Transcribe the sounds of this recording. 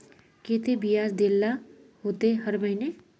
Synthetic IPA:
keːt̪ebijaːsd̪elːa | ɦoːt̪eɦɐɾməɦɪne

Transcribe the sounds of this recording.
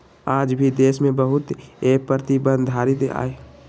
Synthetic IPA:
aːd͡ʒbʱid̪eːsmẽbəɦʊt̪eːk̚pɾət̪ibə̃nd̪ʱaːɾɪt̪a̰ːe

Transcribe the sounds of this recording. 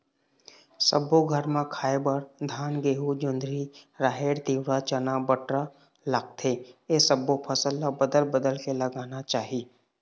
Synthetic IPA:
səbːoɡʱəɾmãkʰaːebəɾd̪ʱaːnɡeːɦud͡ʒʊ̃nd̪ɾiɾaːɦeːɾt̪iːwɽat͡ʃənabəʈɾa | laːɡ̚t̪ʰeesəbːopʰəsəlːabəd̪əlbəd̪əlkeləɡaːnat͡ʃaːɦi

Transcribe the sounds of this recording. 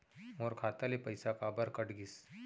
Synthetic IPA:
ɔːɾkʰaːt̪alepɐjsakaːbəɾkɐʈɡɪs

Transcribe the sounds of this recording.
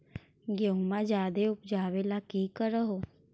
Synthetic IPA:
ɡeumad͡ʒad̪eupd͡ʒaʋelakiːkəɾəɦo

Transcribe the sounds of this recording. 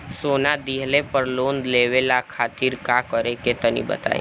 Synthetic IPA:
sonad̪iɦlepəɾlond̪leʋelakʰaːt̪iɾkakəɾeket̪ənḭbə̰t̪a̰ḭ

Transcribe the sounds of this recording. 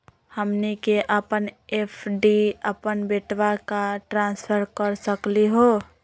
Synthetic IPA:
həmnikeʔəpənepʰɖiəpənbeʈʋakaʈɾãːnspʰəɾkəɾsəkliɦo

